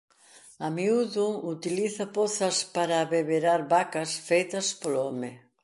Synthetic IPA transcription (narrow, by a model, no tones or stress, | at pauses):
ɐmiuðuut̪iliθɐpoθɐspaɾaβeβeɾaɾbakɐsfejt̪ɐspolome